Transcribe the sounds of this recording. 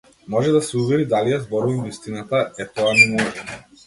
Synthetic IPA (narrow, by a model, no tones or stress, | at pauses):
mɔʒɛd̪asɛuvɛɾid̪alijazbɔɾuvamvist̪inat̪aɛt̪ɔanɛmɔʒɛ